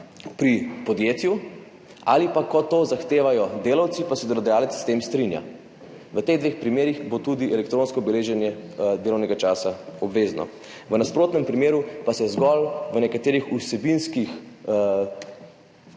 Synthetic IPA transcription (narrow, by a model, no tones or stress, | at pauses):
pɾipɔd̪jeːt̪ju | a̰ːlipakɔt̪ozaxt̪eːʋajɔd̪eːlawt̪sipasɛd̪ɛlɔd̪ɛjaːlɛtsst̪eːmst̪ɾinja̰ | ʋət̪eɣd̪ʋexpɾimeːɾixbot̪ud̪iɛlɛk̚t̪ɾõnskɔubɛleːʒɛnjɛd̪eːlɔwnɛɡat͡ʃaːsaɔbʋeːznɔ̰ | ʋənaspɾoːt̪nɛmpɾimeːɾupasɛzɡɔlʋənɛkat̪eːɾixusɛbinskix